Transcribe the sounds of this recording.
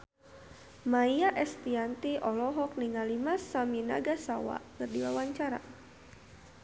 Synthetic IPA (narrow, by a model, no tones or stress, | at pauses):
maiaʔɛst̪iant̪iʔɔlɔɦɔk̚niŋalimasamina̰ɡasawa̰kɨrdiwawaɲt͡ʃaɾa̰